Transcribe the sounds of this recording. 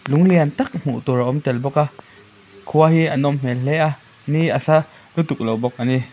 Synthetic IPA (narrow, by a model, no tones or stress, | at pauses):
luŋliant̪ɐk̚m̥ṵʔt̪uɾaʔɔmt̪ɛlbɔka | kʰuaɦiʔanɔmm̥ɛlɛʔa | niʔasa | nut̪uk̚lowbɔk̚ʔani